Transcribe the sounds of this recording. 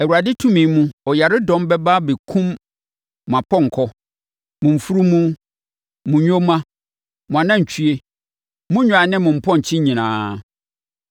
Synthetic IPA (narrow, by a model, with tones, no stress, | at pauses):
ɛ˨wu˨ɾa˨dɪ˦tʰũ˦mĩ˨˦mũ˦ɔ˨ja˨ɾɪ˦dɔ̃˦mbɛ˦ba˦be˨kʰũ˦m | m˨ã˨pʰɔ̃˦ŋ̩˨kʰɔ˦ | mʊ̃˨m̩˨fu˦ɾu˦mũ˦ | mʊ̃˨ɲᶣõ˦mã˦ | mʊ̃˨a˨nã˦ɲ̩˨t͡ɕʰɥe˦ | mũ˦ɲᶣʊ̃˨˦a˨nɪ̃˦mʊ̃˨m̩˨pʰɔ̃˦ɲ̩˨t͡ɕʰɪ̃˦ɲĩ˨nãː˨˦